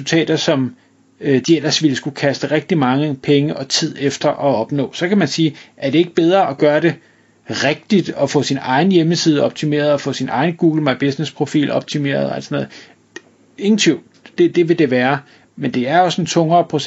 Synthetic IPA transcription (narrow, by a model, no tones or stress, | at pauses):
ult͡sʰɛ̰ːd̥ɐsɒ̽m | d̥iel̰ɐsʋiləsɡ̥ukʰæsd̥əʁeɡ̥̚d̥imɑ̈ŋəpʰeŋəʔɒ̽t͡sʰið̞̰ˠefd̥ɐʔɒ̽ɒ̽b̥nɔ̰̽ːsɒ̽kʰæmænsiːʔæɐd̥e̝e̝ɡ̥̚əb̥eð̞ˠʁɐʔɒɡ̥ɶːɐɾ̥e̝ | ʁeɡ̥̚d̥id̥ɒ̽fɔ̰̽sinɑ̈ɪn̩jeməsiːð̞ˠəɒ̽b̥̚t͡sʰime̝̰ːɐð̞̩ˠɒ̽fɔ̰̽sinʔɑ̈ɪnəɡ̥uːɡ̥l̩mɑ̈ɪb̥e̝snespʰʁo̝fḭːlɒ̽b̥̚t͡sʰime̝̰ːɐð̩ˠæ̰lsɒnɔ̽ːðˠ | eɡ̥n̩t͡sʰiʊ̥ | d̥e̝d̥e̝ʋe̝d̥e̝ʋæːɐ | mend̥e̝æɐɒ̽se̝nt͡sʰɔ̽ŋɐːpʰʁo̝